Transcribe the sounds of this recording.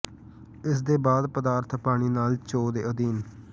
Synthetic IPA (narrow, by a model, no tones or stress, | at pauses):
ɪsd̪eːbaːd̪pəd̪aːɾt̪ʰpaːɽ̃iːnaːlt͡ʃoːd̪eːəd̪iːn